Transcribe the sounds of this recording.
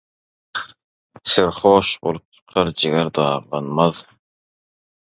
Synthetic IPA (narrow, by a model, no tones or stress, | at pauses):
seɾχoːʃbo̰lˠup̚t͡ʃʰɯ̥qʰɑɾd͡ʒeɣæɾd̪ɑɑːʁlˠɑnmɑð